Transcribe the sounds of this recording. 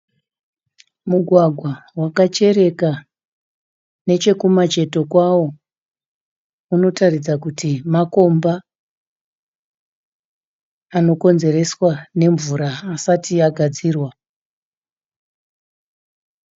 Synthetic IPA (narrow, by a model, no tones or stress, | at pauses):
muɡʱwaɡʱwawakat͡ʃe̞ɾe̞ka | ne̞t͡ʃe̞kumat͡ʃe̞to̞kwawo̞ | uno̞tarid͡zakutimako̞mba | ano̞ko̞nze̞re̞swane̞ɱvuɾaːsatiaɡʱad͡ziːrwa